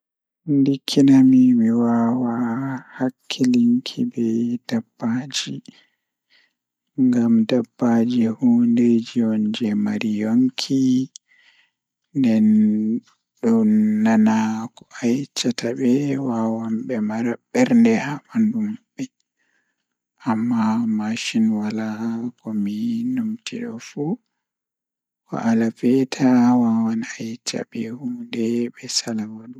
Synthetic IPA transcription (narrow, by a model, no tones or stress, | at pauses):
ndikʰːinamimiwawahakʰːiliŋkʰḭbɛd̥abːaːd͡ʒi | ŋɡamdabːad͡ʒihuːnded͡ʒiɔɲd͡ʒɛmaɾijoŋkʰi | ndɛn | ɗunːanakɔʔajt͡ʃːataɓɛwawanɓɛmaɾaɓːɛɾndɛhaɓandumɓɛ | ʔamːamaʃinwalakɔminumtiɗɔ̰fu | kɔ̰ʔalafɛtʰawawanajt͡ʃa̰ɓɛhuːdɛɓɛsalawadu